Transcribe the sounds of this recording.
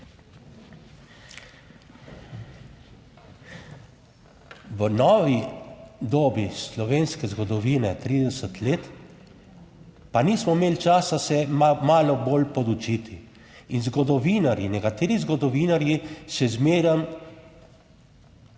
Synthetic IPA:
ʋənɔːʋid̪oːbislɔʋeːnskɛzɡɔd̪ɔʋiːnɛt̪ɾiːd̪ɛsət̪leːt̪ | paniːsmɔmeːlt͡ʃaːsasɛmaːlɔbolpɔd̪ut͡ʃit̪ʰi | inzɡɔd̪ɔʋinaɾjinɛkat̪eːɾizɡɔd̪ɔʋiːnaɾjisɛzmeːɾəm

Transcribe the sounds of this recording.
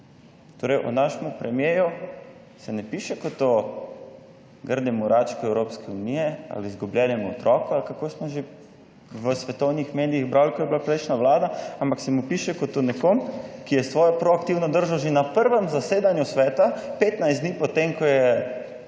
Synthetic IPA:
t̪oːɾɛɪjʔɔ̰naːʃɛmupɾɛmjeːju | sɛnɛpiːʃɛkɔt̪o | ɡəɾd̪ɛmuɾaːt͡ʃkɔɛwɾopskɛunijɛa̰lizɡublʲjɛnɛmuɔt̪ɾɔːkɔalkakoːsmɔʒe | ʋəsʋɛt̪ownixmeːd̪iiɣbɾalkɔjɛbilapɾɛjʃnaʋlaːd̪aampaksɛmupiːʃɛkɔt̪ːonɛkoːmkijɛsʋɔːjɛpɾɔakt̪iwnɔd̪əɾʒawʒenapəɾʋəmzaseːd̪anjusʋɛːt̪apet̪najsd̪niːpɔt̪emkɔjɛ

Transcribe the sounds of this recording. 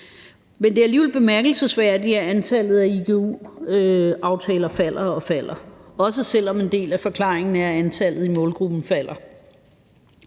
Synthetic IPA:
mend̥e̝æɐliːʋelb̥e̝mæɐɡ̥l̩səsʋæɐ̰d̥diæɐænt͡sʰæl̰ð̩ˠæiɡ̥ʰeṵːøɑ̈ʊt͡sʰɛːlɐfæl̰ɐɒ̽fæl̰ɐɒ̽s̬əsel̰ɒ̽me̝nd̥e̝̰ːlæfɒ̽kʰlɑ̰̈ːeŋn̩æɐænt͡sʰælð̩ˠimɔ̽ːlɡ̥ʁub̥n̩fæl̰ɐ

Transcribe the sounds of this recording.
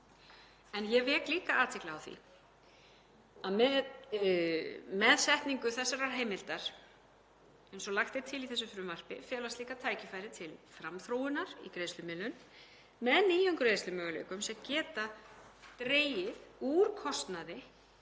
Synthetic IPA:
ɛnjɛvɛːkliːkaʔaːt̪ʰvɪklaawθḭ | aðmɛ | mɛðsɛht̪niŋkʏθɛsːaɾaɾ̥ɦeːjmɪlt̪aɾ̥ | ɛjnsɔlaxt̪ɪɾ̥t̪ʰɪliθɛsːʏfɾʏːmar̥pɪ̰fɛːlast̪liːkat̪ʰaːjcɪfajɾɪt̪ʰɪlfɾamθɾoːwɪnaɾḭkɾeːjst̪ʏmɪlːʏn | mɛðniːjʏŋkʏɾejslʏmœːɣʏlḛːjkʏmsɛcɛːt̪at̪ɾeːjɪðuːɾkʰɔst̪naðɪ

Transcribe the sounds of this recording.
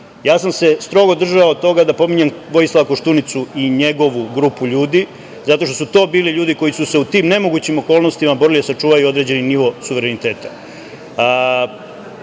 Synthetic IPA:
jaːsamse̞st̪ɾo̞ɡo̞d̪r̩ʒaod̪t̪o̞ɡad̪apo̞miɲemʋo̞jislˠaʋakoʃt̪unit̪suiɲe̞ɡo̞ʋuɡɾuːpuʎuːd̪i | zat̪o̞ʃt̪o̞sut̪o̞ːbiːliʎuːd̪iko̞jisuse̞ut̪iːmne̞mo̞ɡut͡ɕimo̞ko̞ːlˠno̞st̪imabo̞ɾilid̪asat͡ʃuːʋajuod̪ɾe̞d͡ʑe̞niniʋo̞suʋeɾenit̪e̞ːt̪a

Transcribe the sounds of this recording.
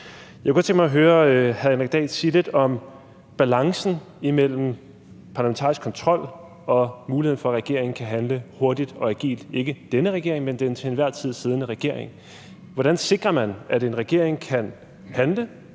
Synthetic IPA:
jjɑakækɒ̽t͡sʰe̝ŋɡ̥mɑɦøːɐhæðˠenʁɛɡ̥̚d̥ɛ̰ːd̥siːle̝d̥ɒ̽m | b̥ælɑ̈ŋsn̩ | imel̰m̩ | pʰɑ̈læment͡sʰɑ̈isɡ̥kʰɒ̽nt͡sʰʁɒ̽l̰ | ɒ̽muːliheðˠn̩fɒæʁɛɡ̥e̝ɐ̰eŋ̩kʰæɦænləho̝ɐd̥id̥ɒ̽æɡ̥ḭːld̥e̝ɡ̥əd̥enəʁɛɡ̥e̝ɐ̰eŋmend̥ent͡sʰe̝enʋæɐ̰t͡sʰið̞̰ˠseð̞ˠənəʁɛɡ̥e̝ɐ̰eŋ | ʋɒd̥ænse̝ɡ̥ʁɐmænæɾe̝nʁɛɡ̥e̝ɐ̰eŋkʰæn | hænlə

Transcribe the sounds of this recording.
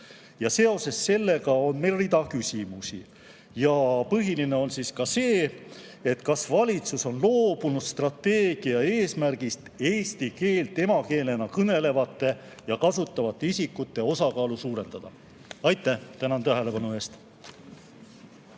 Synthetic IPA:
jɑse̞o̞se̞sːe̞lːe̞ɡɑo̞nmejlrid̪ɑkysʲimusi | jɑpɤɦiline̞o̞nsiskɑse̞ː | e̞t̪kɑsvɑlʲit̪suso̞nlo̞ːb̥unud̪̥st̪rɑt̪ːeːɡ̥iɑe̞ːsmærɡ̥ist̪e̞ːsʲt̪ike̞ːlt̪ːˑe̞mɑke̞ːle̞nɑkɤne̞le̞vɑt̪ˑːe̞ | jɑkɑsut̪ːˑɑvɑt̪ːˑeisikːˑut̪ːe̞o̞sɑkɑːlusuːɾe̞nd̪̥ɑd̪̥ɑ | ɑjt̪ːˑæht̪ænɑnt̪æɦe̞le̞pɑnue̞ːst̪

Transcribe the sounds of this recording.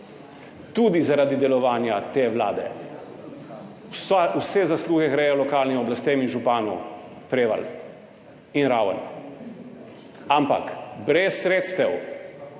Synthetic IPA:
t̪ud̪izaɾaːd̪id̪ɛlɔʋaːnjat̪eːʋla̰ːd̪ɛ̰ | wsɛzasluɣɛɣɾɛjɔlɔkaːlnimɔblast̪eminʒupaːnu | pɾeːʋa̰l | inɾaːwə̰n | ampa̰kbɾɛsːɾeːt̪st̪ɛw

